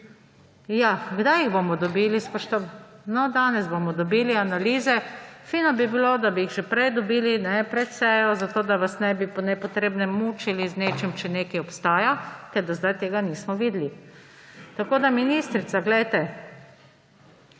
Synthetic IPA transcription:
jaɡd̪ajiɣbomɔd̪ɔbiːlispɔʃt̪onɔd̪anɛzbomɔd̪ɔbiːlianaliːzɛfiːnɔbibilod̪abiiɣʒɛpɾɛjd̪ɔbiːlinɛpɾɛt̪sɛːjɔzat̪oːd̪aʋasnɛbipɔnɛpɔt̪ɾeːbnɛmuːt͡ʃilizneːt͡ʃɛmt͡ʃɛneːkɛjɔpst̪aːjak̪ɛɾd̪azd̪ajt̪eːɡaniːsmɔʋid̪li | t̪akoːd̪aminiːst̪ɾit̪saɡlɛjt̪ɛ

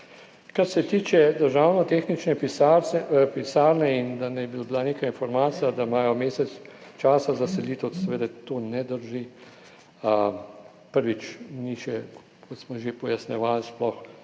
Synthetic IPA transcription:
kaɾsɛt̪iːt͡ʃɛd̪əɾʒawnɔt̪eːxnit͡ʃnɛp | pisaːɾnɛind̪anɛjbiblaneːkajinfɔɾmaːt̪sijad̪amaːjɔmeːsɛt̪st͡ʃaːsazasɛliːt̪ɛwd̪sɛʋeːd̪ɛt̪oːnɛd̪əɾʒi | pəɾʋit͡ʃniʃɛ | kɔt̪smɔʒepɔjasnɛʋalsplɔx

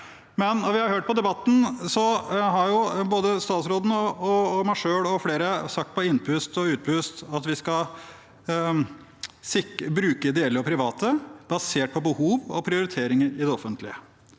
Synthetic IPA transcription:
mɛnɔʋɪhɑɾhøːʈ̚pɔd̪ɛbɑt̪ːn̩sɔɦɑɾjʊboːd̪əst̪ɑːt̪sɾoːd̪nəɔɔmɑʂøːɭɔfleːɾəsɑk̚t̪̚pʰɔɪnːpʰʉst̪ɔʉːt̪̚pʰʉst̪ɑt̪ʋɪskɑ | sɪbɾʉːkəd̪eːləɔpʰɾɪʋɑːt̪əbɑseːʈ̚pʰɔbəhuːʋɔ̰pʰɾɪʊɾɪt̪ʰeːɾɪŋəɾɪd̪ɛɔfənt̪ʰlɪə

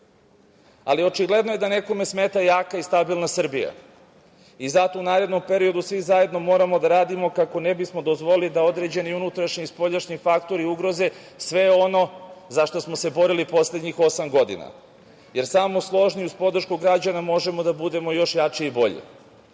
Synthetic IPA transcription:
a̰lio̞t͡ʃiɡle̞d̪noje̞d̪ane̞ko̞me̞sme̞t̪ajaːkaist̪abilˠnasr̩bija̰ | izat̪o̞unaːɾe̞d̪nompe̞ɾio̞d̪usʋizaje̞d̪no̞mo̞ːɾamo̞d̪aɾaːd̪imo̞kakonebismo̞d̪ozʋo̞lilid̪ao̞d̪ɾe̞d͡ʑe̞niunut̪ɾaʃɲiːspo̞ʎaʃɲifakt̪o̞ɾiuɡɾo̞ze̞ | sʋe̞o̞no̞zaʃt̪o̞smose̞bo̞ɾilipo̞sled̪ɲixo̞samɡo̞d̪ḭna̰ | je̞ɾsamo̞slˠo̞ʒniuzpo̞d̪r̩ʃkuɡɾad͡ʑanamo̞ʒe̞mo̞d̪abud̪e̞mo̞jo̞ʃjat͡ʃiibo̞ʎḭ

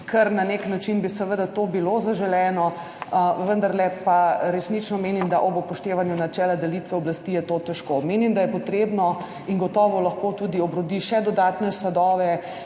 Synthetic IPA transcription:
kʰəɾnaneknat͡ʃinbisɛʋəd̪at̪obilozaʒɛlɛːnɔ | ʋənd̪ɐɾlɛpaɾɛsnit͡ʃnɔmeːnimd̪aʔɔbɔpɔʃt̪eːʋanjunat͡ʃɛːlad̪ɛlit̪ʋɛɔblast̪ijɛt̪ot̪ɛʃkomeːnimd̪ajɛpɔt̪ɾeːbnɔ | iŋɡɔt̪ɔːʋɔlɐxkot̪ud̪iɔbɾɔd̪iʃɛd̪ɔd̪aːt̪nɛsad̪ɔːʋɛ

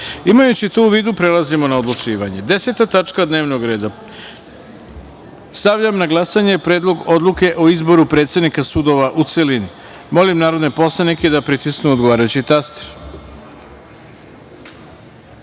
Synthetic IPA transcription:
imajut͡ɕit̪ouʋiːd̪upɾelazimo̞naod̪lˠut͡ʃiːʋaɲe̞d̪e̞se̞t̪at̪at͡ʃkad̪neːʋnoɡɾe̞ːd̪a | st̪aʋʎamnaɡlˠasaɲe̞pɾeːd̪lˠo̞ɡo̞d̪lˠuke̞ʔoizbo̞ɾupɾe̞ːt̪sʲe̞d̪nikasud̪o̞ʋaʔut̪selin | mo̞limnaːɾo̞d̪nepo̞slˠaniked̪apɾit̪isknuod̪ɡo̞ʋaːɾajut͡ɕit̪ast̪e̥ɾ

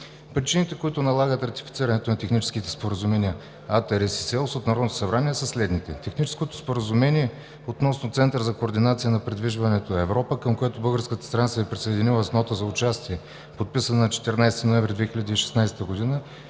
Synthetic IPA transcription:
pɾit͡ʃinit̪ɛkoit̪ʊnɐlˠaɡət̪ɾɐt̪i̥fit̪siɾɐnɛt̪onɐt̪ɛxnit͡ʃɛ̥sk̟it̪ɛ̥spoɾəzumɛnʲiə | at̪ɛɾɛsi̥sɛlˠsot̪nɐɾɔd̪ot̪o̥sɐbɾaniɛsəslɛd̪nit̪ɛt̪ɛxnit͡ʃɛ̥skot̪o̥spoɾəzʊmɛnʲiɛ | ot̪nɔsnʊt̪sɛnt̪əɾzɐkoːɾd̪inat̪sijənɐpɾɛd̪viʒvɐnɛt̪oɛvɾɔpəkəmkojat̪ʊbɤlˠɡəɾskət̪ə̥st̪ɾnat̪sɛɛpɾisɐjd̪ʲinivˠəsnɔt̪əzɐʊt͡ʃast̪iɛ | pot̪̚pisənənɐt͡ʃɛ̥t̪ɛɾnajsɛt̪inoɛɱvɾʲid̪vɛxilʲəd̪iːʃɛ̥snajsɛ̥t̪əɡod̪inə

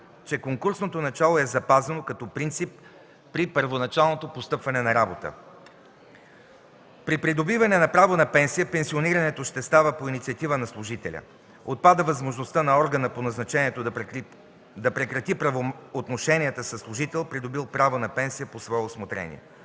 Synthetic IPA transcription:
t͡ʃɛkoŋkuɾsnot̪onɐt͡ʃalˠoɛzɐpazɐnokɐt̪ɔpɾint̪sipː | ɾipəɾvonɐt͡ʃalˠnot̪opost̪ɤpvɐnɛnɐɾabot̪ə̰ | pɾipɾid̪obivɐnɛnɐpɾavonɐpɛnsijəpɛnsioniɾɐnɛt̪oʃt̪ɛst̪avəpoinit̪siɐt̪ivənɐslˠʊʒit̪ɛ̰lʲə̰ | ot̪̚pad̪əvɐzmoʒnost̪ənɐɔɾɡənəponɐznɐt͡ʃɛniɛt̪o | d̪ɐpɾɛkɾɐt̪ipɾɐvoot̪noʃɛnʲiət̪əsəslˠʊʒit̪ɛlˠpɾid̪obilˠpɾavonɐpɛnsijəposvɔɛosmot̪ɾɛ̰nḭɛ̰

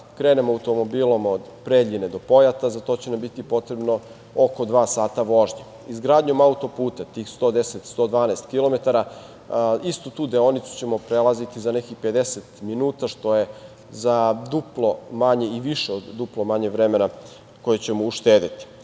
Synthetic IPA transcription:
kɾeːne̞moauwt̪o̞mo̞biːlˠo̞mod̪pɾeʎined̪o̞po̞jat̪azat̪o̞ːt͡ɕenambit̪ipo̞t̪ɾebno̞ | oko̞d̪ʋaːsaːt̪aʋo̞ʒɲe | izɡɾaːd̪ɲo̞maut̪o̞puːt̪at̪iːxst̪o̞ːd̪eset̪st̪o̞ːd̪ʋaːnaːst̪kilˠo̞me̞t̪aɾa | ist̪ut̪uːd̪eonit̪su̥t͡ɕe̞mo̞pɾelˠazit̪izane̞kixpe̞d̪eset̪minuːt̪aʃt̪o̞je̞ | zad̪uplˠo̞maɲe̞iʋiʃeod̪ːuplo̞maɲeʋɾemena | kojet͡ɕemouʃt̪eːd̪it̪i̥

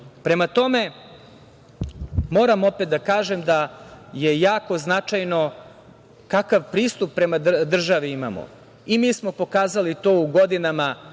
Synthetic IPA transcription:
pɾe̞mat̪o̞me̞ | mo̞ːɾamo̞pet̪d̪akaːʒemd̪ajejaːko̞znat͡ʃajno̞ | kakaʋpɾiːst̪upːɾe̞mad̪d̪r̩ʒaʋiima̰mo̰ | imiːsmo̞po̞kaːzalit̪oːuɡod̪inama

